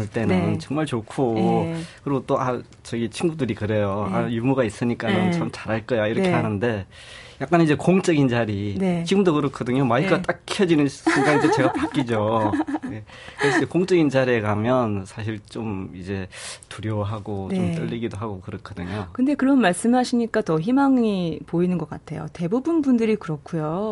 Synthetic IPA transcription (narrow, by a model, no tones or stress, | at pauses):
ɯɭt͈e̞nɯnt͡ɕʌŋmaɭt͡ɕokʰo | kɯɾiɡot͈oʔa | t͡ɕʌɡit͡ɕʰinɡudɯɾikɯɾe̞joajumuɡais͈ɯɲik͈amʌnt͡ɕʌmt͡ɕaɾɦaɭk͈ʌjaiɾʌkʰeɦanɯnde̞ | jak͈anid͡ʑe̞koŋt͡ɕ͈ʌɡint͡ɕaɾinet͡ɕiɡɯmdokɯɾʌkʰʌdɯɲomaikʰɡat͈ak̚ʰjʌd͡ʑinɯnsʰeŋɡaɡitot͡ɕe̞ɡapak͈id͡ʑo | e | kɯɾesʰʌd͡ʑekoŋt͡ɕ͈ʌɡint͡ɕaɾiekamjʌnsʰaɕ̬ʰiɭt͡ɕomid͡ʑe̞tuɾjʌɦaɡont͡ɕomt͈ɯʎːiɡidoɦaɡokɯɾʌkʰʌdɯɲokɯnde̞kɯɾʌnmaɭs͈ɯmɦaɕʰiɲik͈atʌçimaŋipoinɯnɡʌk͈atʰe̞jo̰te̞bubunbundɯɾikɯɾʌkʰujo